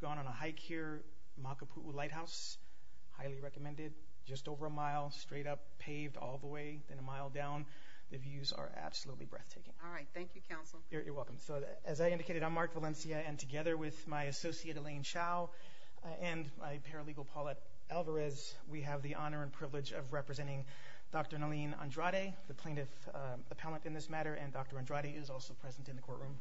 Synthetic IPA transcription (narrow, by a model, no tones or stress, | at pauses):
ɡ̥ɔ̃ñə̃nəɦaɪkʰiɹ | mɑkəpʰuʔulaɪt̚haʊs | haɪlˠiɹɛkəmɛ̃ndɪd̚ | d͡ʒʌstoʊvə˞əmaɪlˠstɹ̥eɪɾʌpʰeɪvdɔ̰lˠðəweɪðɨ̃nəmaɪlˠdãʊ̃n | ðɨvjʉzə̰˞ʔæ̰b̥səlutˡlḭbɹɛ̰θtʰeɪkɪ̰̃ŋɔɹaɪt̪̚θæ̃ŋkjɨkʰãʊ̃nsl̩ˠjə˞jə̰˞wɛlˠkm̩soʊ | ɨzaɪɪ̃ndɨkʰeɪɾɨɾãɪ̃mɑɹkvəlɛ̃nsiɨɨ̃ntʰɨɡɛðə˞wɪð̥maɪɨsoʊsieɪɾɨlẽɪ̃nʃaʊ | ɨ̃nmaɪpʰɛɹɨliɡl̩ˠpʰɔlˠəɾ | ɛlˠvə˞ɛz | wiɨvðiʔɑnə˞ɨ̃npʰɹ̥ɪvlˠɨd͡ʒʌ̰vɹɛpɹɨzɛ̃ɾ̃ɪ̃ŋ | d̥ɑk̚tə˞nəlĩnə̰̃ndɹɑɾeɪðɨpʰl̥ẽɪ̃ñʌf | ɨpʰɛlˠə̃ntɨ̃nðɪsmæɾə˞ʔɨ̃ndɑk̚tə˞ɨ̃ndɹɑɾeɪʔɪzɔlˠsoʊpʰɹ̥ɛzn̩tɨ̃nðɨkʰɔɹʔɹũm